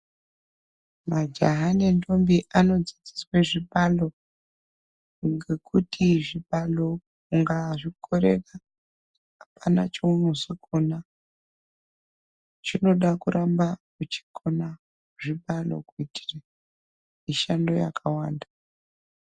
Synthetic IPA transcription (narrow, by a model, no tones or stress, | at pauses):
mad͡ʒaɦanento̞mbiʔano̞d͡zid͡zi̥sweʐiɓalo̞ | ŋɡe̞kʰutʰiʐiɓalo̞ | uŋɡaʐikʰo̞ɾḛka | apana̰t͡ʃeunozokona | t͡ʃino̞ɗakuɾʔambakut͡ʃi̥kʰona | ʐiɓalo̞̰kuitʰi̥ra | miʃando̞ja̰kʰawaːnda